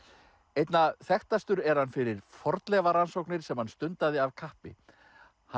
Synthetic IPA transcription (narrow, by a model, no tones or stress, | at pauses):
ejt̪naθɛxt̪ast̪ʏɾɛɾ̥hanfɪɾɪɾ̥fɔɾt̪lɛvaɾansowknɪɾ̥sɛmhanst̪ʏnt̪aðɪavkʰahpɪ̰ | ha